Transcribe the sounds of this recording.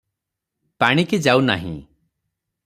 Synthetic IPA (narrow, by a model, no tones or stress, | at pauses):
paɽ̃iked͡ʒawna̰ɦḭ̃